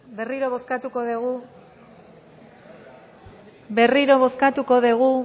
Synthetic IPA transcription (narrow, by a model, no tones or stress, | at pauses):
be̞riɾo̞βo̞skat̪uko̞ðeɣu | be̞riɾo̞βo̞skat̪uko̞ðeɣ̞u